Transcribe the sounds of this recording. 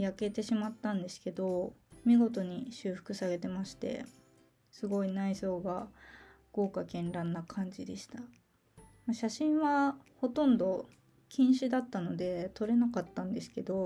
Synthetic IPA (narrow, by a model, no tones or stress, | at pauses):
jake̞t̪e̞ɕimat̪ːãnd̪e̞sɨ̥ke̞d̪o̞mʲiɡo̞t̪o̞ɲ̟iɕɨːɸɯ̟̥kɯ̟saɡe̞t̪e̞maɕi̥t̪e̞̰ | sɨɡo̞inaiso̞ːɡa | ɡ̥o̞ːkakẽ̞nɾãnːakʰãɲ̟d͡ʑid̪e̞ɕi̥t̪a | maɕaɕĩɰ̃βaho̞t̪õ̞nd̪o̞ | kʲĩɰ̃ɕɨd̪at̪ːano̞d̪e̞t̪o̞ɾe̞nakat̪ːãnd̪e̞sɨ̥ke̞d̪o̞